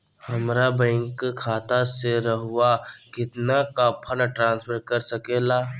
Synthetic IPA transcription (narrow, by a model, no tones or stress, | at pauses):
hɐmɾabɛ̃ŋkkʰːaːt̪aseɾəɦʊakɪt̪nakapʰənaʈɾãːnspʰəɾkɐɾsɐkelaː